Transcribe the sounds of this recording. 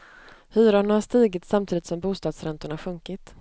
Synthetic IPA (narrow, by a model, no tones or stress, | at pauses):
hʉ̟ːɾaɳhaʂt̪iːɡɪt̪samt̪ʰiːd̪ɪt̪sɔmbuːst̪ɑːd̪sɾɛnt̪ʊɳaɧɵŋkɪt̪